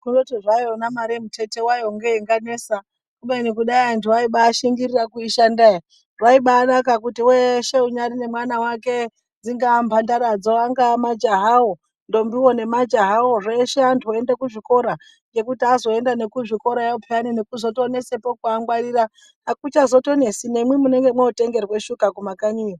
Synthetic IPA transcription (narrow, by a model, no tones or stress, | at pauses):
kuno̞tiʐajonamaɾemute̞te̞wajoŋɡeiŋɡane̞ːsa | kuɓeinikuɗaiantʰuwaiɓaːʃiŋɡirirakuiʃandai | rwaiɓaːnakak̬utiweʃe̞uɲaɾine̞mwanawake̞ | d͡ziŋɡampʰandaɾad͡zoaŋɡamad͡ʒaɦawo | ndo̞mbiwo̞ne̞mad͡ʒaɦaoʐe̞ʃeantʰuoendakuʐiko̞ɾa | ŋɡe̞kutiazo̞endanekuʐiko̞ɾajaupʰeaninekuzo̞to̞ne̞sepo̞kuaŋɡwaɾiɾa | akut͡ʃazo̞to̞ne̞sinemwimune̞ŋɡe̞mweute̞ŋɡe̞rwe̞ʃukakumakaɲujo